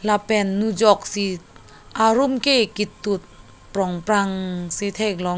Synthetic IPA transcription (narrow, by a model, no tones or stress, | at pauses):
lapɛnːud͡ʒɔk̚si | ʔaɾumkekit̪ːut̪̚ | pɾɔŋpɾaŋsit̪ʰek̚lɔ